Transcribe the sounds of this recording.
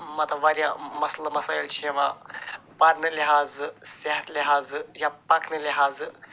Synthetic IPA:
mɐt̪ʰaʋaɾʲjãmɐslɐmɐsaːilt͡ʃʰeʋapaɾnɨliɦaːzseɦɐt̪lʲiɦaːzjapɐkʰnɨliɦaːz

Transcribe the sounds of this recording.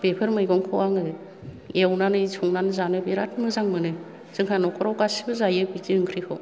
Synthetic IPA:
bepʰɯɾmɯjɡɔŋkʰɔwaŋɯ | ewnanɯisʰuŋnanzanɯbeɾatʰmɯzaŋmɯnɯ | z̥ɯŋkʰanɔkʰɔɾawkasibɯzajɯbitiɯŋkʰɾikʰɔw

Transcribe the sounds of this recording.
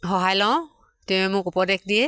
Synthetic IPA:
xɔɦajlãw̃ | tɛ̃ɛmʊkɔpɔdɛk̚dijɛ

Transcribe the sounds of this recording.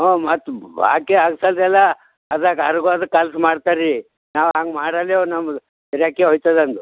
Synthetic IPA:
ɦomɐt̪ːba̰ːkeaɡsalɾɛla | ɐd̪akɐɾɡuad̪kɐlsmaːɽt̪aɾi | naːwãŋɡmaːɽaleonɐm | iɾjakːeɦojt̪ad̪ɐnd̪u

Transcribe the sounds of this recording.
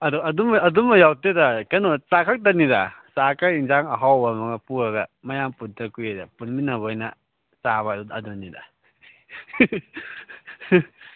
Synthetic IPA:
ɐduɐdumaːdumɐjawtedakanotakʰak̚tanidasakainzaŋɐɦawbamɐɡɐpuɐɡɐmɐjampuntʰakujedapunminɐbɔjna | saβadudɐdunida̰

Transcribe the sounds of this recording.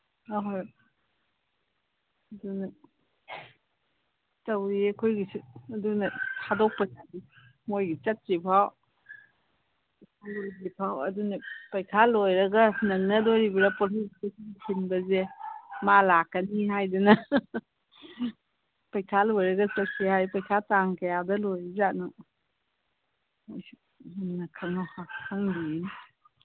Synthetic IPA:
aɦoj | ɐdunɐ | tɐwɾiɐkʰojɡisɐdunɐhadok̚pɐsani | mojɡit͡ʃɐt̚sipʰaw | kalɡipʰawɐdunɐpɐjkʰalojɾɐɡɐnɐŋnɐdoɾibiɾɐpɔsizkesikʰinbɐzemalakːɐniɦajdunɐ | pɐjkʰalojɾɐɡɐt͡ʃɐt̚sihajpɐjkʰataŋkɐjadɐlojizanu | oj | nɐkʰɐŋɔhahʰaŋbiin

